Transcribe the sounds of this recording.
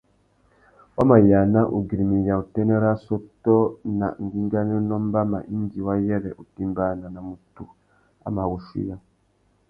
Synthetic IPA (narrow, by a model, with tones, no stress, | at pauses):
wa˦ma˨ja˨na˦ʔu˨ɡi˨ɾi˨mi˨jã˨u˨te˦ne˦ɾa˦so˦tɔ˦na̰˨ŋ̩˨ɡi˦ŋ˦ɡa˦ne˦nɔ˦m˦ba˦ma̰˨ʔi˦n˦di˨wa˦jɛ˦ɾɛ˨ʔu˨tĩ˦m˦ba˦na˨na˨mu˨tu˨ | a̰˨˦ma˨wu˨ʃṵ˦jã˦